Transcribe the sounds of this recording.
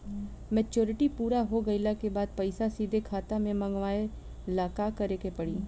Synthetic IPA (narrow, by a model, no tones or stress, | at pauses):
mɛːt͡ʃoːɾɪʈipuːɾaɦoɡɐɪlakebaːd̪̚pɐɪsasiːd̪ʱekʰaːt̪amẽmɐ̃ŋɡʋaːe | laːkakɐɾekepɐɽiː